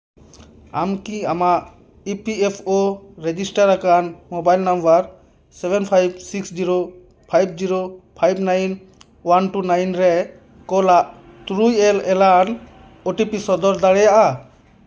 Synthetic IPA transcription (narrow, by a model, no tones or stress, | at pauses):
amkiamaʔ | ipiɛpʰɔɾɛd͡ʒisʈaɾakanmɔbajlnambaɾ | sɛbɛnpʰajb̚siksd͡ʒiɾo | pʰajb̚d͡ʒiɾopʰajbnajn | wanʈunajnɾɛ | kɔlaʔ | t̪ɾujɛlɛlan | ɔʈipisɔd̪ɔɾd̪aɽɛjaʔa